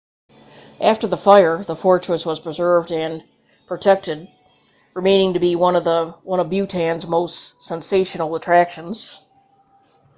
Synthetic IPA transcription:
ʔæftə˞ðəfaɪə˞ðəfɔɹt͡ʃɹ̥ɨswʌz̥pʰɹ̥ɨzɜ˞vdɨ̃n | pʰɹ̥ɨtʰɛk̚tɨd̚ | ɹɨmẽɪ̃nɪ̃ŋtɨbiwʌ̃nʌðəwʌ̃ñʌvbjʉtʰæ̃nzmoʊstsɛ̃nseɪʃɨnl̩ˠətʰɹ̥ækʃɨ̃nz̥

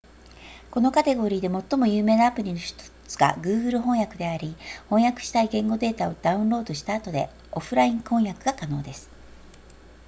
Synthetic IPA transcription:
ko̞no̞kat̪e̞ɡo̞ɾʲiːd̪e̞mo̞t̪ːo̞mo̞jɯːme̞ːnaːpɯ̟ɾʲino̞çi̥t̪o̥t͡sɨ̥ɡa̰ɡɯ̟ːɡɯ̟ɾɯ̟ɦõ̞ɰ̃jakɯ̟d̪e̞aɾʲihõ̞ɰ̃jakɯ̟̥ɕi̥t̪aiɡẽ̞ŋɡo̞d̪e̞ːt̪ao̞d̪aɯ̟̃nɾo̞ːd̪o̞ɕi̥t̪aːt̪o̞d̪e̞̰ | o̞ɸɯ̟ɾaĩŋkõ̞ɰ̃jakɯ̟ɡakano̞ːd̪e̞sɨ̥

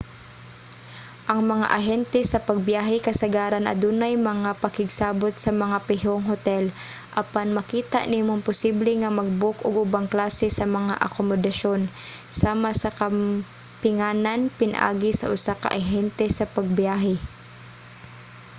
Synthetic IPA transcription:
ʔɐŋmɐŋa̰ʔɐɦɛnt̪ɛsɐpɐɡ̚bjaːɦɛkɐsɐɡaːɾɐnʔɐ̰d̪uːnajmɐŋapɐkɪɡsaːbot̪̚sɐmɐŋapɪɦoŋɦot̪ɛl | ʔɐpanmɐkiːt̪a̰ʔnimonpʊsiblɛŋɐmɐɡ̚bokʔʊɡʔʊbaŋklaːsɛsɐmɐŋa̰ʔɐkomod̪ɐʃonsaːmasɐkɐ | pɪŋaːnanpɪna̰ʔa̰ːɡɪsɐ̰ʔʊsakɐ̰ʔɐɦɛnt̪ɛsɐpɐɡ̚bjaːɦɛ

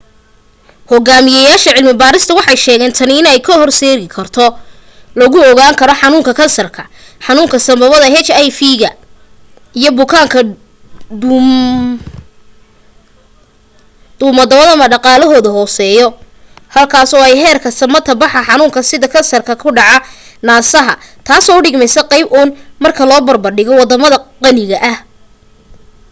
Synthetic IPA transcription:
hɔɡaːmɪjɐjaːʃɐʕɪlmɪbaːɾɪst̪ʰɐwɑħɑjʃɛːɣɛːnt̪ʰɐnɪɪnɛjkʰɐhɔrsɛːɣɪkʰɐrt̪ʰɔ | lɐɣʊɔɣaːŋkʰɐɾɔħɑnuːŋkʰɐkʰɐnsɐrkʰɐ̥ | ħɑnuːŋkʰɐsɐmbɐβɐðɐɦɛt͡ʃɛjfiːɣɐ | ijɔbʊkʰaːŋkʰɐ | d̪̥ʊːmɐd̪ɐβɐðɐmɐɖɑqɑːlɔɦɔːðɐɦɔːsɛːjɔ | hɐlkʰaːsɔːɛjɦɛːrkʰɐsɐmɐt̪ʰɐbɑħɐħɑnʊːŋkʰɐsɪðɐkʰɐnsɐrkʰɐkʰʊɖɑʕanaːsɐɦɐ̰t̪ʰaːsɔːʊɖɪɡmɛjsɐqɑjbʔʊːnmɐrkʰɐlɔːbɐrbɐrɖɪɣɔwɑd̪ɐmɐðɐqɑnɪɣɐʔɐh

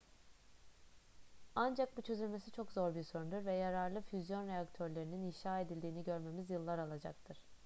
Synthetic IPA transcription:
and͡ʒak̚but͡ʃʰø̞zylʲme̞sit͡ʃʰo̞kzo̞ɾbiɾso̞ɾund̪uɾvɛjaɾaɾlˠɯfyzjo̞nɾeakt̪ʰøɾlʲe̞ɾininiʃaːe̞d̪ilʲd̪iːniɟø̞ɾme̞mizjɯlˠːaɾalˠad͡ʒa̰k̚t̪ʰɯɾ̥

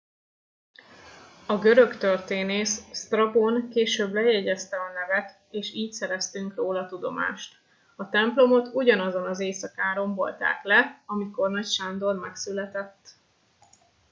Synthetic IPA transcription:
ɒɡø̞ɾøkt̪ørt̪eːneːsst̪rɒbonkeːʃøːblɛjɛɟɛst̪ɛɒnɛvɛt̪ | eːʃiːcsɛɾɛst̪yŋkroːlɒt̪ud̪o̞̰ma̰ːʃt̪ | ɒt̪ɛmplo̞mo̞t̪uɟɒnɒzo̞nɒzeːsɒkaːɾo̞mbo̞̰lt̪a̰ːklɛɒmiko̞rnɒcʃand̪ormɛksylɛt̪ɛt̪ː

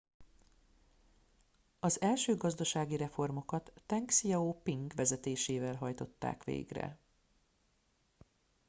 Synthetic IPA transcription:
ɒzɛlʃøːɡɒzd̪ɒʃaːɡiɾɛfo̞rmo̞kɒt̪ːɛŋksijɒoːpiŋɡʋɛzɛt̪eːʃeːvɛlɦɒjt̪o̞t̪ːa̰ːkʋḛːɡrɛ̰

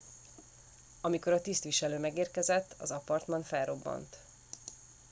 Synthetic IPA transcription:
ɒmiko̞ɾɒt̪ist̪ʋiʃɛløːmɛɡeːrkɛzɛt̪ːɒ̰zɒpɒrt̪mɒnfɛlro̞bːɒ̰nt̪

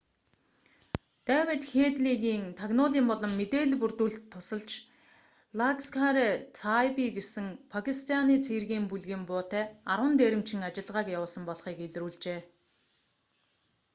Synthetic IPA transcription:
t̪æːwʲĕt̪xeːt̪ɮiːɣiːŋt̪ʰaɣnʊːɮiːmpɔɮɞ̆mːet̪eːɮpurt̪uːɮt̪ʰːʊsə̆ɮt͡ɕ | ɮakskʰaɾet͡sʰajpiɡesɘ̆ŋpʰakʰist̪ʰaniːt͡sʰerɣiːmpuɮɣiːmpʊːt̪æːaɾwə̆nt̪eːɾɪ̆m̥t͡ɕʰɪ̆ŋat͡ɕɪ̆ɮʁaːkjawʊːsə̆mpɔɮχiːkeɮruːɮt͡ɕeː

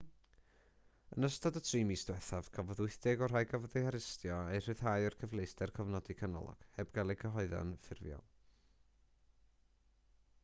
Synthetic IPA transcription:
ə̰nəstadətʰriːmiːsd̥wɛθav̥kʰavɔðʊɨθd̥ɛɡɔr̥ajɡavəðehaɾɪstjɔejr̥ɨð̥ɦaːjɔrkʰəvlˠejsdɛrkʰɔvnɔdikʰanɔ̰lˠɔ̰ɡ̥hɛbɡalˠɛkʰəɦɔɨða̰nfɪrvjɔ̰lˠ

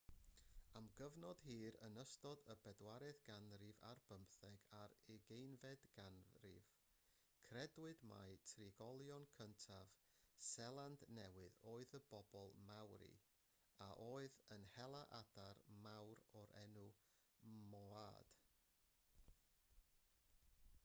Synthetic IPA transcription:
amɡəvnɔd̥hiːɾə̰nəstɔdəbɛdwaɾɛðɡanrɪva̰rb̥əmpθɛɡaɾɛɡejnvɛdɡ̥anrɪ̰v | kʰrɛdwɨdma̰jtʰriɡɔlˠjɔnkʰəntʰavsɛlˠandnɛwɨðoːɨðəbɔbɔlˠmawɾḭ | aʔoːɨðənhɛlˠaʔad̥aɾmawɾɔɾʔɛ̰nu | mɔad̥

